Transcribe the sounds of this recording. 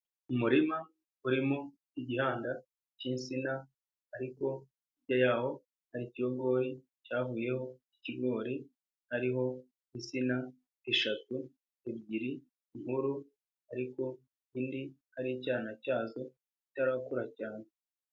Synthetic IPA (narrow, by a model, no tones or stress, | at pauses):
umuɾima | uɾimo | iɟihaːnda | ciːnsinaː | ɾiko̞ | ibɟojaːho̞ | haɾicijoɡo̞ːɾi | caːvuːje̞hoiciɡo̞ːɾi | haɾiɦo̞ | insina | eʃatu | ebɟiɾiː | ŋhuɾu | aɾiko̞ | iːndihaɾicaːnacaːzo̞ | citaɾakuɾacaːne